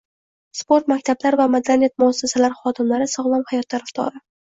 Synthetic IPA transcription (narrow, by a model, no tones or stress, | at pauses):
spo̞ɾt̪makʲt̪ʰablaɾvamad̪lanat̪̚mʊasːasalaɾχɒd̪ɪmlaɾɪsɒʁlˠɒmhajɒt̪ʰːaɾaft̪ʰɒ̰ɾɪ